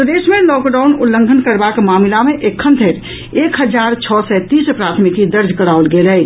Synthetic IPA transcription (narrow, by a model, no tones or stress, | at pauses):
d̪eːsmẽlɔːkɖaːʊnʊlːə̃ŋɡʱənkəɾbakmaːmlamẽʔekʰːə̃nt̪ʰeɾ | eːkɦəd͡ʒaːɾt͡ʃʰɔːsɛt̪iːspɾaːt̪ʰmɪkid̪əɾd͡ʒʱkəɽaːolɡeːlɦɛ